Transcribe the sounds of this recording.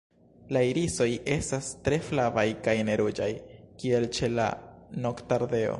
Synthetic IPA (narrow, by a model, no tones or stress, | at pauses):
laiɾiso̞je̞stastɾe̞flavajkajne̞ɾud͡ʒajkie̞lt͡ʃe̞la̰no̞ktaɾde̞o̞̰